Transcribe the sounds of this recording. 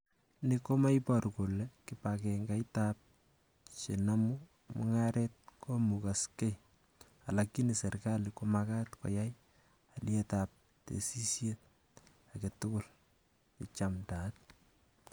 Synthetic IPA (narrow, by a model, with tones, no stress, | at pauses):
ni˦ko˦ma˦jpɔrko˨leki˨pakɛŋɡa˨itap̚ | t͡ʃe˨namu˦ | mʊ̰ŋaɾet̚ko˦mu˨ka˨ske˦j | a˨laki˦nise˨rkalikomaka˦tkɔ̰˨ja˦j | a˨ljɛ˦tap̚ | tḛ˨si˦sje˦t̚ | ake˨tʊ˦kʊ˨l | ki˨t͡ʃamta˨t̚